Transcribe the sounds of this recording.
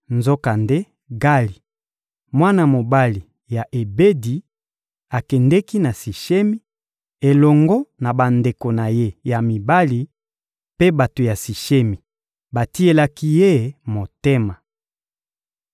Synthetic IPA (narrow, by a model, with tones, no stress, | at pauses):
nzo˦ka˨nde˦ | ɡa˦li˨ | mwa˦na˨mo˨ba˦li˨ | ja˨ʔe˨be˦di˨ | a˨kɛ˨ndɛ˦ki˦na˨si˨ʃe˦mi˦ | e˨lɔ˨ŋɡɔ˦na˨ba˨nde˨ko˨na˨je˦ja˨mi˨ba˦li˨ | pe˦ba˨to˨ja˨si˨ʃe˦mi˨ | ba˨ti˦e˦la˦ki˦je˦mo˨te˦ma˨